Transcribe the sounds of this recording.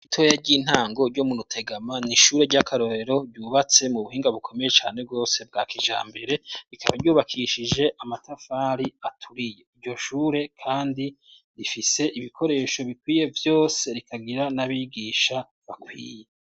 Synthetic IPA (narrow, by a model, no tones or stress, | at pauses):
itʰojaɾɟiːn̥haːŋɡo̞ɾɟomuɾutʰe̞ɡamaniʃuːɾe̞ɾɟakʰaɾo̞ɾe̞ɾo̞ɾɟuːβat͡se̞muβuhiːŋɡaβukʰo̞me̞je̞t͡ʃaːne̞b̚ɡo̞ːse̞b̚ɡaːkiʒa̰ːmbe̞ɾe̞ɾikʰaβaɾjuːβakʰiːʃid͡ʒe̞ʔamatafaːɾiatʰuɾije̞iɾɟo̞ʃuːɾe̞kʰaːndi | ɾifise̞ʔiβikʰo̞ɾe̞ːʃo̞βikwiːje̞vjo̞ːse̞ɾikʰaɡiɾanaβiɡiːʃa | βakwḭːje